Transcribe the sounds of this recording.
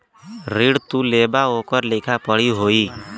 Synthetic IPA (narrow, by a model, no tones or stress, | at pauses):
ɾiɽt̪uleːbaoːkəɾlɪkʰapəɽiɦoːiː